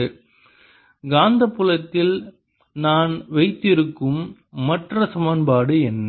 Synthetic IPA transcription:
ɡaːnd̪ɐpːɯlɐt̪ːɪl | naːnʋɐɪt̪ːɪɾɯkːɯmː | ɐʈrɐsɐmɐnbaːɽɯɛnː

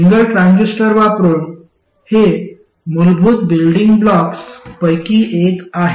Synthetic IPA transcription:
iŋɡəlʈɾãnd͡ʑisʈəɾʋapɾuːn | he | mulbʱuːt̪bilɖiŋɡblɔkspəjkiːʔekaɦe

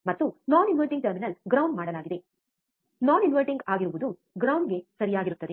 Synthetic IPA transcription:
mɐt̪ːunaːninʋɐlʈiŋɡ̚ʈɐɾminɐlɡɾɐwɳɖmaːɽɐlaːɡid̪e̞ | naːninʋɐlʈiŋɡaːɡiɾuʋud̪u | ɡɾɐwɳɖɡe̞sɐɾijaːɡiɾut̪ːɐd̪e̞

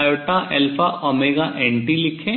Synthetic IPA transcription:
joːʈaʔɛlpʰaʔɔːmeːɡaʔɛ̃ɳʈilɪkʰẽ

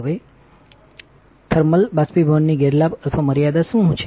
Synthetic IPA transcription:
ʋe | t̪ʰəɾməlbaspibʱənːiɡeɾlabət̪ʰʋaməɾijad̪aʃũɦt͡ʃʰe

